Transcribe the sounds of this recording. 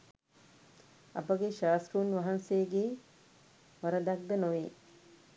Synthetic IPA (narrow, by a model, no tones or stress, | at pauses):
ɐ̰pəɡeʃaːst̪ruuːnʋaɦansejɡeː | ʋɐɾəd̪ak̚d̪ənoʋeː